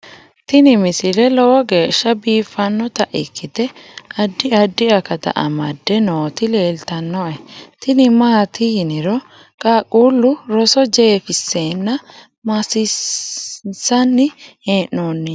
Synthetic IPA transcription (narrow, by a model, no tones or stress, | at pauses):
t̪ɪnɪmɪsɪlɛlɔwɔɡe̞ːʃːɐbiːfɐnːɔt̪ɐʔɪkːɪt̪ɛɐd̪ːɪɐd̪ːɪɐkɐt̪ɐ̰ʔɐ̰mɐd̪ːɛnoːt̪ɪle̞ːlt̪ɐnːɔʔɛt̪ɪnɪmaːt̪ɪjɪnɪɾɔ | kʼaːkʼuːlːʊɾɔsɔd͡ʒe̞ːfɪsːeːnːɐ | mɐsɪ | sɐnːɪeːnːonːɪ